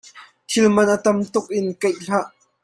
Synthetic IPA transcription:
t̪ʰɪlmɐnʔət̪ɐmt̪ʊk̚ʔɪnkejɬaʔ

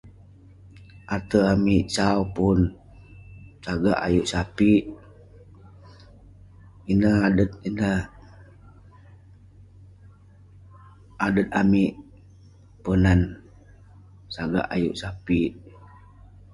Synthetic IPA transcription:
ʔat̪əamiʔt͡ʃaupun | saɡa̰ʔajuʔsapit̪̚ | inəhadət̪̚inəh | adət̪̚amiʔ | pənan | saɡa̰ʔajuʔsapit̪̚

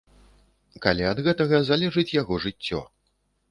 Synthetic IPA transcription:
kalʲɛɐd̪ɣɛt̪ɐɣɐzalʲɛʐɨt͡sʲjaɣɔʐɨt͡sʲːɔ̰

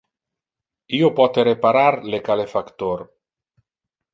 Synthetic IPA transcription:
iopɔt̪eɾepaɾaɾlekalefakt̪oɾ

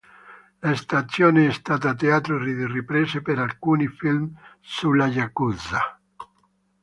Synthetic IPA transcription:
laest̪at̪sjoːneɛst̪at̪̬aːt̪eat̪ɾorid̪eripɾesepeɾalkunifilm | sulajakuza

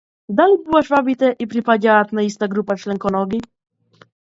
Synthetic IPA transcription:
d̪alʲibɨwaʂvabʲit̪ɛʔipɾipad͡ʑaat̪naist̪aɡɾupaʂlɛŋkɔnɔɡʲi

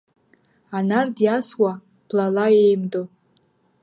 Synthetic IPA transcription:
anardjaswa | b̥ʰlalaejmdo

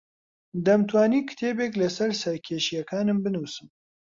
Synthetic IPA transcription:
d̪ɐmt̪ʰwaːniːkɨ̥t̪ʰeːbeklɐsɐɾsɐɾkʰeːʃijɐkʰaːnɨmbɨnusɨm

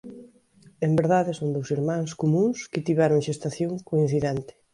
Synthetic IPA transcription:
embeɾðaðɪsõnd̪owsiɾmãŋskomũŋskɪt̪iβɛɾoŋʃest̪aθjõŋkoĩn̟θiðɛnt̪ɪ̥

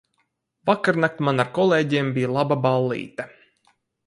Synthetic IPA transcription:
vakaɾnak̚t̪manaɾkɔlˠeːɟembʲijalˠababalˠːḭːt̪a

